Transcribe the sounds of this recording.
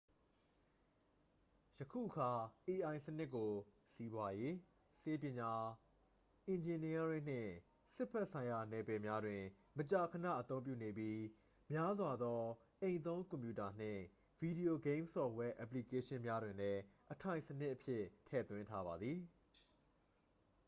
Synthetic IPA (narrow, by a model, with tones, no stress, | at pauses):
jəkʰṵ˦˨ʔəkʰa˨ʔe˨ʔã˨ɪ̃sənɪ˦ʔkːo˨ | si˦bwa˦je˦ | se˦pjɪ̃˨ɲa˨ | ʔɪ̃˨ɲd͡ʑɪ̃˨ni˦a˦ɾɪ̃˦˨n̥ɪ̰̃˦˨ | sɪ˦pʰɛ˦ʔsʰã˨ɪ̃ja˨nɛ˨bɛ˨mja˦dwɪ̃˨ | mət͡ɕa˨kʰə˨nä̰˦˨ʔət̪õ˦ʊ̃p̬jṵ˦˨ne˨pji˦ | mja˦zwa˨d̪ɔ˦ | ʔẽ˨ɪ̃nt̪õ˦ʊ̃ŋkʊ̃˨mpju˦˨ta˨n̥ɪ̰̃˦˨ | v̥i˨di˨o˨ɡẽ˦ɪ̃msɔ˨wɛ˦ʔɛ˨p̬li˨ke˦ʃɪ̃˦mja˦dwɪ̃˨nlɛ˦ʔətʰã˨ɪ̃sənɪ˦ʔəpʰjɪ˦tʰɛ̰˦˨t̪wɪ̃˦ntʰa˦βa˨d̪ði˨